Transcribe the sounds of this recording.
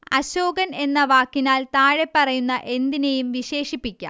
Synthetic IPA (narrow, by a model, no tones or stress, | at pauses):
ɐɕoːɡɐne̞nːɐʋaːkːinaːlt̪aːɻe̞pːɐrɐjunːɐʔe̞nd̪inejumʋiɕe̞ːʂipːikʲːɐ̰m